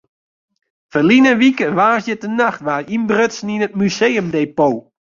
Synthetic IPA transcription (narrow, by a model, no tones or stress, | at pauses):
fəlinəʋikəʋaːsjətənaxtʋarimbrøtsn̩inət̚myseːəmdeːpoː